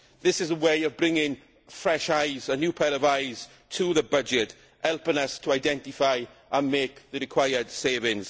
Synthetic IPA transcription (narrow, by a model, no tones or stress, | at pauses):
ðɪsɪzəweɪəvbɹɪ̃ŋɪ̃ŋ | fɹɛʃaɪzənjuːpʰɛɾəvaɪz̥ | tʰəðəbʌd͡ʒɪt | hɛlˠpɪ̃ŋəstʰəaɪdɛ̃ntɪfaɪʔə̃nmeːkðəɾɪkʰw̥aɪəd̥seɪvɪ̃ŋz̥